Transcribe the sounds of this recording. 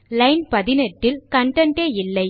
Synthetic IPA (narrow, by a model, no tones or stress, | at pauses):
lɐɪnpɐðɪnɐʈːɪlkɐɳɖɐɳʈeːɪlːɐɪ